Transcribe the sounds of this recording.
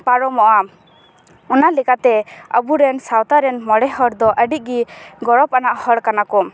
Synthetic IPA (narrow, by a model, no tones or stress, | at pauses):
paɾɔmɔʔa | ɔnalɛkat̪ɛə̰buɾɛnsawt̪aɾɛnmɔɽɛhɔɾd̪ɔʔəɖit̚ˀɡiɡɔɽɔp̚anaʔhɔɽkanakɔm